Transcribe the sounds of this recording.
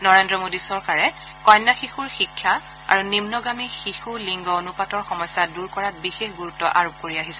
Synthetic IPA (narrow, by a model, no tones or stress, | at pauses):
nɔɹendɹɔmodisɔɹkaɹɛ | kɔjnːaxixuɹxikʰːja | a̰ɹunimnɔɡamixixuliŋɡɔonupatɔɹxɔmɔjsːaduɹkɔɹat̚bixexɡuɹutːɔʔaɹop̚koɹiaɦisɛ